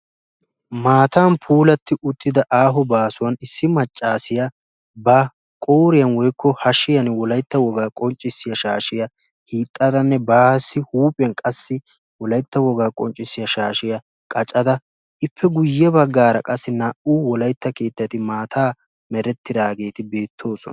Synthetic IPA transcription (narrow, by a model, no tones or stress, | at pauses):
maːt̪aːnpʰuːlɐt̪ːɪʔʊt̪ːɪd̪ɐʔaːɦɔbaːsʊwɐnɪsːɪmɐt͡ʃʼːaːsɪjɐ | bɐ | kʼoːɾɪjɐnwɔjkːɔhɐʃɪjɐnwɔlɐjt̪ːɐwɔɡaːkʼɔnt͡ʃʼːɪsːɪjɐʃaːʃɪjɐ | hiːt̪ʼːɐd̪ɐnːɛbaːsːɪhuːpʼɪjɐnkʼɐsːɪ | wɔlɐjt̪ːɐwɔɡaːkʼɔnt͡ʃʼːɪsːɪjɐʃaːʃɪjɐ | kʼɐt͡ʃʼɐd̪ɐ | ɪpːɛɡʊjːɛbɐɡːaːɾɐkʼɐsːɪnɐʔuːwɔlɐjt̪ːɐke̞ːt̪ːɐt̪ɪmaːt̪ʰaː | mɛɾɛt̪ːɪd̪aːɡe̞ːt̪ɪbe̞ːt̪ʰːo̞ːsɔ̰nɐ̥